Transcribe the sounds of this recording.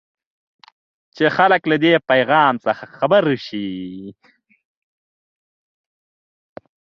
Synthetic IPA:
t͡ʃexaləklad̪epajɣɑːmsəxaxabəɾʃi

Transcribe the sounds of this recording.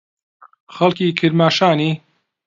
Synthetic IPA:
xɐlkiːkʰɨɾmaːʃaːniː

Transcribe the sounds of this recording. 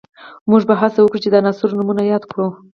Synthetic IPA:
muʐbaɦasawəkɽut͡ʃed̪ənɑsuɾnumunajɑd̪kɽu

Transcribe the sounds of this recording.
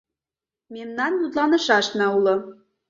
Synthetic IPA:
memnɑnjut̪lɑnɤ̆ʃɑʃnɑulɤ̆

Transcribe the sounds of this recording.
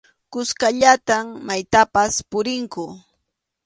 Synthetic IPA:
kʊskaʎat̪ammajt̪apaspʊɾɪŋkʊ

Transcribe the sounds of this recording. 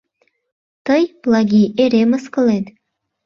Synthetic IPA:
t̪ɤjblˠɑɡʲieɾeməskɤ̆led̪

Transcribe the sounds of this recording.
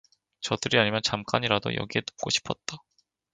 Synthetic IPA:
t͡ɕʌdɯɾiaɲimjʌnt͡ɕamk͈aɲiɾado̰jʌ̰ɡiɦe̞to̥pk͈oɕʰi̥pʰʌt̚t͈a

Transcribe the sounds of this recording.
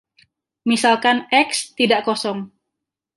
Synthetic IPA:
misalkanʔɛkst̪idaʔkɔsɔŋ

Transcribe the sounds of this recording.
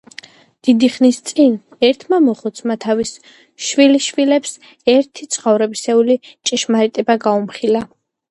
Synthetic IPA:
d̪̥id̪iχnist̪sʼin | ɛɾt̪ʰmamɔχɔt̪sʰmat̪ʰavis | ʃwiliʃvilɛps | ɛɾt̪ʰit̪sʰχɔvɾɛbisɛulit͡ʃʼiʃmaɾit̪ʼɛbaɡaumχila

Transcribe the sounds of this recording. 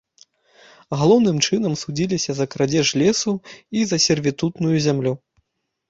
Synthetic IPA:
ɣalˠɔwnɨmt͡ʂɨn̪ɐmsud͡zʲilʲisʲɐzɐkɾad͡zʲɛʂlʲɛsuizɐsʲɛrvʲit̪ut̪nujuzʲamlʲu

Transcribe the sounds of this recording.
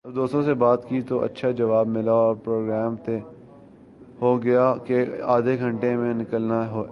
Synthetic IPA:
ɐbd̪oːst̪ɾõsebaːt̪kit̪oʔɐ̰tːʃʰad͡ʒɐʋaːbmɪlaoɔːɾpɾoːɡɾɛːmt̪e | ɦoɡɐjakeaːd̪ʱeɡʱɐ̃ɳʈemẽnɪkəlnaɦoː

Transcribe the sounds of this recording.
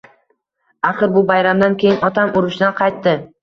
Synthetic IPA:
aχɨɾbʊbajɾamd̪ankʲʰe̞jɪnɒt̪ʰamʊɾɪʃd̪anqʰɑjt̪ːɪ

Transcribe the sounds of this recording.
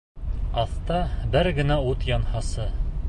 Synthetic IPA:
ɑθt̪ɑbɘɾɡɘ̆næut̪jɑnhɑsɤ

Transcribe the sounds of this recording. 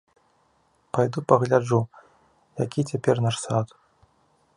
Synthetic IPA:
pajd̪upɐɣlʲad͡ʐu | jakʲit͡sʲapʲɛrnaʂsat̪

